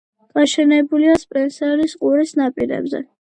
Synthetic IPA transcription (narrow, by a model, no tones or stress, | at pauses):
ɡ̥ʼaʃɛnɛbuliaspʼɛnsɛɾisqʼuɾisnapʼiɾɛ̰bzɛ̰